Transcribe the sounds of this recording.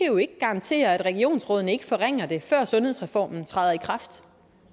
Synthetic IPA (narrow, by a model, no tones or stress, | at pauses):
eʊe̝ɡ̥əɡ̥ɑ̈ɑ̈nt͡sʰe̝̰ːɐæd̥ʁɛɡ̥io̝̰ːnsʁɔ̽ð̰ˠn̩əe̝ɡ̥əfɒ̽ʁeŋ̰ɐd̥e̝fɶɐ̰sɔ̽nheð̞̰ˠsʁɛfɒ̰ːmn̩t͡sʰʁɑɪðˠɐikʰʁɑ̈fd̥